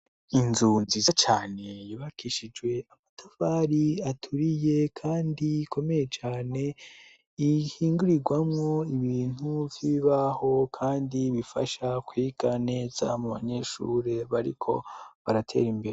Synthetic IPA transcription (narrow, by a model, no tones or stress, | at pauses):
inzunzizat͡ʃaːne̞jiβakiʃid͡ʒwe̞amatʰavaːɾiatʰuɾije̞kʰaːndikʰo̞me̞je̞t͡ʃaːne̞ | ihiːŋɡuɾiɡwamŋo̞iβiːn̥huvjiiβaho̞kʰaːndiβifaʃakwiɡ̥ane̞ːza̰muβa̰ɲe̞ʃṵːɾe̞βaɾḭkʰo̞̰βaɾatʰe̞̰ːɾimbe̞ɾe